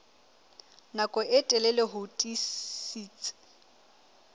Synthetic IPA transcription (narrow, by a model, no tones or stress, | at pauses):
nakʼɔɪtʼɛlɛleɦʊtʼisiːt͡sʼɪ̥